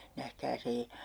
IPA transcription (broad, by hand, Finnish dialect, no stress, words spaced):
næhkæːs ei